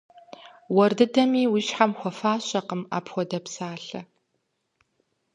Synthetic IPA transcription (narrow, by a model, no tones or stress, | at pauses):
wɔrdɨdɐmiːwiːɕħamxʷɔfaːɕɐqəma̰ːpʰxʷɔdɐpsaːɬɐ